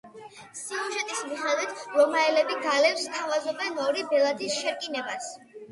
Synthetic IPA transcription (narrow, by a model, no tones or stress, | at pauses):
siuʒɛt̪ʼismiχɛd̪ɛt̪ɾɔmaɛlɛbiɡalɛpst̪ʰavazɔbɛnɔɾibɛlˠat̪ʰisʃɛɾkʼinɛbas